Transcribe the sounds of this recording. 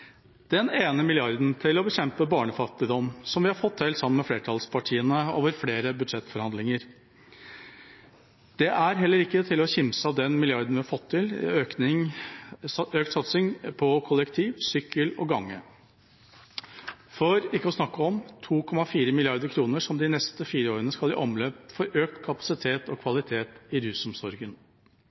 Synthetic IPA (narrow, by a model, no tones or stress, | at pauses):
d̪̥ɛneːnəmɪlɪɑɾd̪n̩t̪ʰɪlɔbəɕɛmpəbɑːɳəfɑt̪ːɪd̪ɔmsɔmʋɪhɑɾfɔt̪ːheːlsɑmənmɛfleːɾʈʰɑlspʰɑʈʰiːənəoːʋəɾfleːɾəbʉd̪ʂɛt̪ːfɔɾhɑnɪŋəɾ | d̪̥ɛʔæɾɦɛlːəɾɪkːət̪ʰɪlɔçɪmsəɑʋd̪ɛnmɪlɪɑɾd̪n̩ʋɪhɑɾfɔt̪ʰːɪløːknɪŋ | øːk̚t̪sɑt̪sɪŋpʰɔkʰɔlːəkt̪ʰiːʋsʏkːəlɔ̰ɡɑŋːə̰ | fɔɾɪkːəɔsnɑkːəɔmt̪ʰuːkʰɔmɑfiːɾəmɪlɪɑɾd̪əɾkʰɾuːnəʂɔmd̪ɪnɛst̪əfiːɾəoːɾənəskɑlbḭːʔɔmlœp̚fɔɾøːkt̪kʰɑpɑ̥sɪt̪ʰeːt̪ɔkʰʋɑlɪt̪ʰeːt̪ɪɾʉːsʊmsɔɾɡən